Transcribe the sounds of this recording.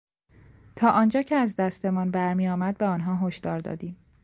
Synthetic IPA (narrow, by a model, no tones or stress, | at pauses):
t̪ʰɒːʔɒːnd͡ʒɒːcʰeæzd̪æst̪e̞mɒnbæɾmijɒːmæd̪̚beɒːnɦɒːɦoʃd̪ɒːɾd̪ɒ̰ːd̪iːm